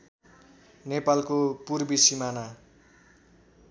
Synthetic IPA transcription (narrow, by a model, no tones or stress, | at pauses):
nepalkopurbisimana